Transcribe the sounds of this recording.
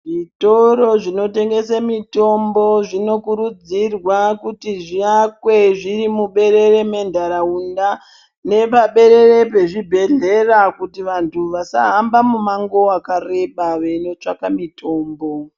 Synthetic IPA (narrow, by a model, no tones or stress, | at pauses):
ʐito̞ɾo̞ʐino̞te̞ŋɡe̞samito̞mbo̞ʐino̞kuɾud͡zirwakutiʐiakwe̞ʐiɾimuɓe̞ɾe̞ɾe̞mendʱaɾaunda | ne̞paɓe̞ɾe̞re̞pe̞ʐibʱe̞ɮe̞rakutiʋantʰuʋasa̰ɦambamumaŋɡo̞akare̞ɓaʋeno̞t͡ʂakamitʰo̞ːmbo